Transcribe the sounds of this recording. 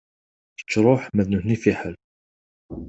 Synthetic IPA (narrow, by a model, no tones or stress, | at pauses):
θə̥t͡ʃːɾˤoħmæðnuhnifiħəl